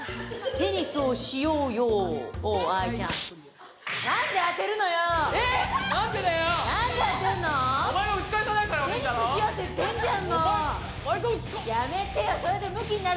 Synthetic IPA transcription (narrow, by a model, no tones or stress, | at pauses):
ɡ̪eɲ̟isɨoɕijoːjoː | ait͡ɕã̰ŋ | nãnd̪e̞at̪e̞ɾɯ̟no̞joenãnd̪ed̪ajonãnd̪eat̪eɯnomaeaɯt͡ɕi̥kaikanaikaɾɡ̪eɲiaseijot̪ːet̪ẽɲd͡ʑanːo | jame̞t̪ejosoɾed̪e̞mɯ̟kʲiɲina